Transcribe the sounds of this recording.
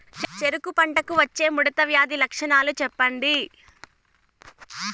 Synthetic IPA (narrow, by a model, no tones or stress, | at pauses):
t͡ʃt͡ʃeɾukupɐɳʈɐkuʋɐt͡ʃːe̞ːmuɽɐt̪ɐʋjaːd̪ilɐkʂɐɳaːlut͡ʃɛpːɐɳɖi